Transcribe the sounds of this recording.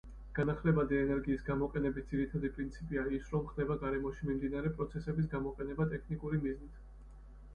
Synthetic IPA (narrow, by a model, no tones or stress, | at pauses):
ɡ̥anaχlɛbad̪iɛnɛɾɡiːsɡamɔqʼɛnɛbit̪̚ʰd̪z̥iɾit̪ʰad̪ipʼɾint̪sʰipʼiaisɾɔmχd̪ɛbaɡaɾɛmɔʃimimd̪inaɾɛpʼɾɔt̪sʰɛsɛbis̬ɡamɔqʼɛnɛbat̪ʼɛkʰnikʼuɾimiznit̪ʰ